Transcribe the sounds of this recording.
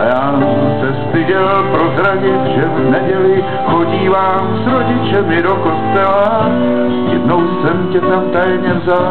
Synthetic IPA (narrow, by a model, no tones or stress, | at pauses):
jaː | sɛst̪ɪʒɛlpɾozɾaɟɪt̪ʒɛvnɛɟɛlɪ | xo̞ɟiːvaːmsɾoɟɪt͡ʃɛmɪdoko̞st̪ɛla | jɛdno̞wsɛmcɛt̪amt̪ajɛmɲɛmza